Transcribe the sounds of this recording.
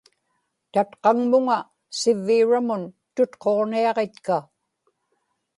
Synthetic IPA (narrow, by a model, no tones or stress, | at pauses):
t̪at̪qɑŋmʊŋa | sɪvːiːɻamʊn | t̪ʊt̪qo̞ʁniɑʁe̞t̪ka